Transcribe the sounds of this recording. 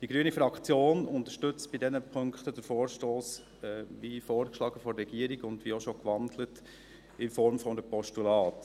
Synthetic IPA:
d̥iɡɾyənifɾɑkt͡sjoːnʊnt̪əʃtʏt͡stb̥ɪdɛnəpʰɵŋkχt̪əd̥əɾfɔːɾʃtoːs | ɛʋifɔoːɾkʃlɑːɡəfɔrːɛɡ̥iəɾiɡʊndʋioʃɔkʋɑndlət | ɪnfɔɾmfɔndəpɔʃtulɑːt

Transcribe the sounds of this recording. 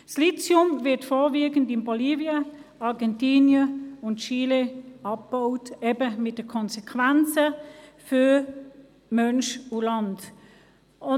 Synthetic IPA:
slit͡sjʊmvɪɐtfoːviːɡəndɪnboliːvjəɑʁɡɛntiːnjəʊntʃiːleɑp̚b̥oʊtebəmɪt̚d̥əkʰɔnsɛkʰvænt͡səfy | mœnʃulɑnt | ʊ

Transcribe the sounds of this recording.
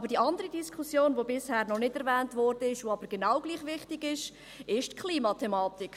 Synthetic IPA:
ɑbəɾd̥iʔɑndəʁidiskʰusjoːnvobɪshæːɾnɔnɪdɛɾvɛːntvɔɾd̥əɪʃvoɑbəɾɡ̥enaʊɡ̥liːχvɪχtɪɡɪʃ | ɪʃtkʰliːmɑtʰɛmɑːtɪk

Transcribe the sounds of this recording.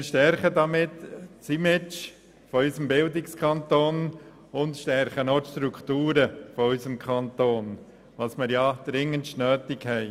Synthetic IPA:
mɪɾʃtɛɾχədɑmɪtːt͡simɪt͡ʃ | fɔysəmbɪldɪkskʰɑnt̪oːn | ʊntʃtɛɾχənotʃtɾukʰtuːɾəfɔysəmkʰχɑntoːn | ʋɑsmɪɾjɑd̪̥ɾɪŋːəntʃnœːtɪkhɛɪ

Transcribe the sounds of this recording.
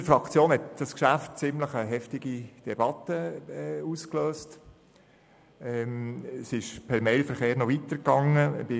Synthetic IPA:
əfɾɑkt͡sjoːnhɛt̪d̥ɑskʃæft̚t͡sɪmləχəɦɛftɪɡ̥id̥ɛb̥ɑt̪ːəuːskløːst | ɛmɛsɪʃpʰɛɾmɛɪlfəɾχeːɾnɔvitəɾkɑŋəb̥ɪ

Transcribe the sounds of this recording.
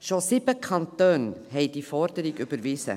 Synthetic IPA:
ʃosɪb̥əkʰɑnt̪øːnhɛɪd̥ifɔɾdəɾiɡybəɾʋɪsə̰

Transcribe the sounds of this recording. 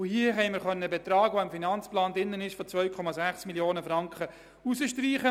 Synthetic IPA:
ʊhiəɦɛɪməɾχœnːəəbɛtɾɑːɡ̥ʋoɪmfinɑnt͡splɑːndɪnːənɪʃfɔt͡sʋœɥkʰɔmɑzæχsmiljoːnəfɾɑŋkχə | usəʃtriːχə

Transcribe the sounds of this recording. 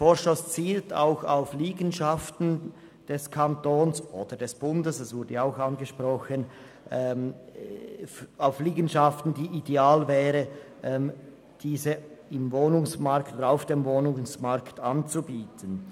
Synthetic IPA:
foːʃɔst͡siːltʰa̰ʊxa̰ʊfliːɡənʃaftn̩ | d̥ɛskʰantoːnsʔoːd̥ədɛsb̥ʊndəsɛsv̥ʊɐdəjaaʊxanɡəʃpʁɔxən | ʔɛm | aʊfliːɡən̩ʃaftn̩diːʔideaːlvɛːʁəʔɛm | d̥iːzəɪmvoːnʊŋsmaɾktoːdəaʊfd̥emvoːnʊŋsmaɾktant͡subiːtʰən

